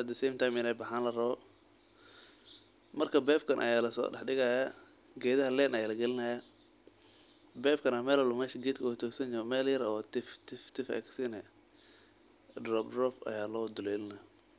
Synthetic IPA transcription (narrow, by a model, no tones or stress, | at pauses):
ɐd̪ɐsɛːmt̪ʰajmɪnɛːbɐħaːnlɐrɐβɔ | mɐrkʰɐbɛːbkʰɐnʔɐ̰jaːlɐsɔ̰ːɖɛ̰ħɖɪɣɐːja | ɡɛːðɐɦɐlɛːnɐjaːlɐɡɛlɪnɐja | bɛːbkʰɐnɐmɛːlɐlʊmɛːʃɐɡɛːd̪kʰɐʊt̪ʰɔːsɐnd͡ʒɔmɛːljɐɾɔːt̪ɪft̪ʰɪft̪ʰɪfɛ̰ksɪnɛ | drɔb̚drɔfɐ̰jaːlɔːd̪ʊlɛːlɪnɐj